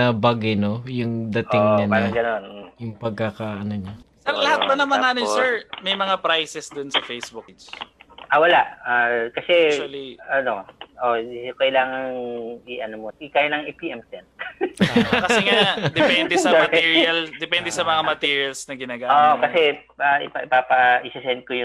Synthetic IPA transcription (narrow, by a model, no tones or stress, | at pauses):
ɐbɐɡɪnojʊŋd̪ɐtɪŋnɐnaɾɐɡɐnonjʊŋpɐɡ̚kɐkaʔɐnoɲasɛɾlɐhat̪̚bɐnɐmɐŋaʔɐnosɛɹmɐjmɐŋapɾajsɛsd̪onsɐfejsbukd͡ʒʔawɐlaʔakɐsɛɐliʔɐnoʔokɐɪlaːŋɐŋɪʔɐnomoɪkaːjlɐŋʔipiʔɛmsɛnt̪ː | kɐsɛŋad̪ɛpɛnd̪ɛsɐmɐt̪iɹiɐld̪ɛpɛnd̪ɛsɐmɐŋamɐt̪iːɹiɐlsnɐɡɪnaːɡaːoʔkɐsɛ | aʔɪpɐɪpapɐʔɪsɪsɛnt̪̚kojʊ